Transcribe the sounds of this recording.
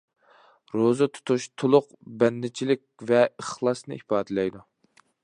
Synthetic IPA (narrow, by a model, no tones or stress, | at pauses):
ɾozɨt̪ʰu̥t̪ʰuʃt̪ʰolˠʊq | bɛnːɪt͡ʃʰilɪk̚ʲvɛəχlˠɑsnɨ̰ʔipʰɑːd̪ɨlɛjd̪u